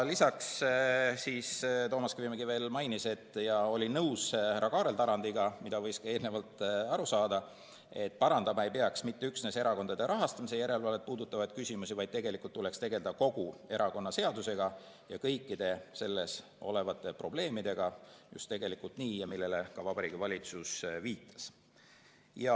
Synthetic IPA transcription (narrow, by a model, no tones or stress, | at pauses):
lisɑks | siːst̪o̞ːmɑskvimɡive̞ːlmɑjnise̞t̪ːˑjɑo̞lʲinɤwsɾʔɑkɑːɾe̞lt̪ɑɾɑnd̪̥iɡɑmid̪̥ɑvɤ̞jskɑe̞ːlne̞vɑlt̪ˑɑɾusɑːd̪̥ɑ | e̞t̪̚ːˑpɑɾɑnd̪ɑmɑe̞jpeɑksmit̪ːeyksne̞se̞ɾɑko̞nd̪ɑd̪e̞ɾʔɑɦɑst̪ɑmisejæɾe̞lvɑlːepuːd̪ut̪ːˑɑvɑjd̪̚kysimusivɑjd̪̚t̪e̞ɡe̞likult̪ːule̞kst̪e̞ɡe̞ld̪ɑko̞ɡ̥ue̞ɾɑko̞nːɑse̞ɑd̪use̞ɡ̥ɑ | jɑkɤjkˑːid̪̥e̞se̞lːe̞s | o̞̰le̞vɑt̪ːˑe̞pro̞b̥le̞ːmid̪̥e̞ɡ̥ɑjṵst̪ːe̞ɡe̞likult̪niːjɑmilːe̞lekɑvɑbɑɾiːɡivɑlʲit̪susviːt̪ːˑɑ̥s | jɑ